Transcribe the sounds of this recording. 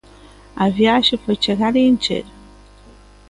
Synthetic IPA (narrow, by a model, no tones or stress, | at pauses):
avjaʃifət͡ʃeɣaɾeɨnt͡ʃḛɾ